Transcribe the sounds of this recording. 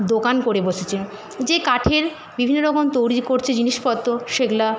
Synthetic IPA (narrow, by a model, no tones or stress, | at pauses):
d̪okankoɾeboʃet͡ɕʰe | d͡ʑekaʈʰeɾ | bibʱinːoɾɔɡont̪owɾikoɾt͡ɕʰed͡ʑiniʃpɔt̪ːoʃekla